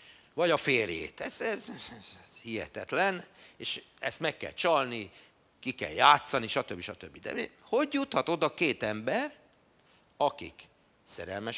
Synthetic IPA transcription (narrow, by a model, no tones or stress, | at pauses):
vɒɟɒfeːrjḛːt̪ɛzɛz | hiɦɛ̰t̪ɛt̪lɛneːʃɛst̪mɛkːɛ̰lt͡ʃɒlni | kikɛ̰ljaːt̪sɒniʃɒt̪øbːiʃɒt̪øbːid̪ɛ̰ho̞ɟjut̪hɒt̪o̞d̪ɒkeːt̪ɛmbɛr | ɒkḭk | sɛɾɛlmɛʃ